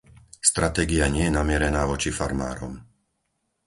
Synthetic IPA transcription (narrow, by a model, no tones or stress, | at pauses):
st̪ɾat̪ɛːɡiaɲɪɛjɛnamɪɛɾɛnaːʋɔt͡ʃifaɾma̰ːɾɔ̰m